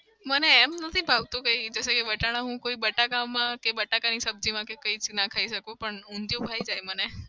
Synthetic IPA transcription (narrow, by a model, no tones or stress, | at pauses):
məneːmnət̪ʰibʱaʋt̪okəid͡ʒəsekeʋəʈaɽ̃ãɦũkoibəʈakamãkebəʈakanisəb̚d͡ʑimãkekəit͡snakʰaiʃəkopəɳũnd̪jobʱaid͡ʒajməne